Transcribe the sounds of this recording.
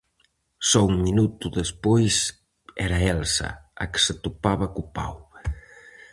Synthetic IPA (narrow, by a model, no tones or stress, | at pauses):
sɔuŋminut̪uðespojs | ɛɾɐɛlsɐ̰ɐ̰kɪ̥set̪upaβɐkupa̰w